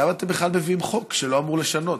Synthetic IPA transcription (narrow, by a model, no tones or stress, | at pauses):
amat̪embeχlalmeviimχo̞kʃeloamuʁleʃano̞t